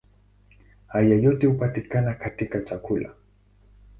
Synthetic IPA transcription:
ajajʊt̪ɪʊpat̪ɪkanakʰat̪ɪkat͡ʃakʊla̰

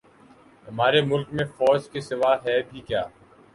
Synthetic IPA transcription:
ɦɐmaːɾemʊlkmẽfɔːd͡ʒkesɪʋaːɦɛbʱikjaː

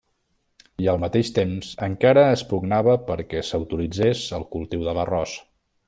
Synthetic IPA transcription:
iəlˠmət̪eʃt̪emzəŋkaɾəːspuɡnaβəpəɾkɛsəwt̪ulid͡zesəlˠkulˠt̪iwðələrɔs

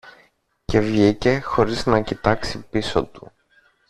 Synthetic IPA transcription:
ce̞vʝice̞xo̞ɾiznɐcit̪ɐksipiso̞t̪u̥̰

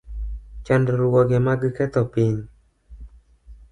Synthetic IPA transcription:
t͡ʃandɔɾwɔɡɛmaɡikɛt̪ɔpɪn

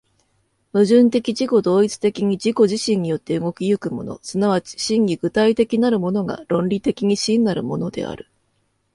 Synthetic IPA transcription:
mɯ̟ʑɨ̃nt̪e̞kʲid͡ʑiko̞d̪o̞ːit͡sɨ̥t̪e̞kʲiɲ̟id͡ʑiko̞ʑiɕĩɲ̟ːijo̞t̪ːe̞ɯ̟ŋo̞kʲijɯ̟kɯ̟mo̞̰no̞̰sɨnaβat͡ɕi̥ɕĩŋɡʲiɡɯ̟t̪ait̪e̞kʲinaɾɯ̟mo̞no̞ɡa̰ɾõ̞nɾʲit̪e̞kʲiɲ̟iɕĩnːaɾɯ̟mo̞no̞d̪e̞̰a̰ɾɯ̟

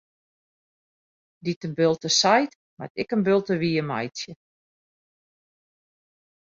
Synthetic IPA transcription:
ditənbølˠtəsajt | ma̰tɪkənbølˠtəʋiːəma̰jtjə

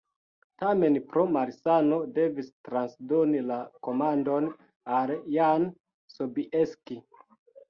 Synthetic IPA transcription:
tame̞npɾo̞maɾsano̞de̞vistɾansdonilako̞mando̞n | aljan | sobiʔeski

